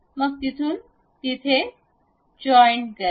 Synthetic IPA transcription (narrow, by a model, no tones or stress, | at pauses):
mɐk̚t̪it̪ʰun | t̪it̪ʰe | d͡ʒɔjnkə